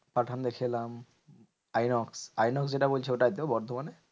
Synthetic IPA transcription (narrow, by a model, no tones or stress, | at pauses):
paʈʰand̪ekʰilam | ajnɔksajnɔks̬d͡ʑeʈabolt͡ɕʰeoʈad̪eobɔɾd̪ʱomane